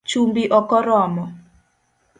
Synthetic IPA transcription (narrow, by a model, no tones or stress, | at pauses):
t͡ʃumbiʔɔkɔɾɔmɔ